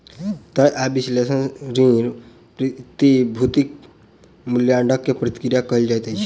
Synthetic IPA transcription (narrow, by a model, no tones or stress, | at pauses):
t̪əʔabislesənɾĩɾ | pɾit̪ibʱut̪ik̚ | muljaɳɖəkːepɾət̪i̥kɾijakʌɦild͡ʒajt̪ət͡ʃʰi̥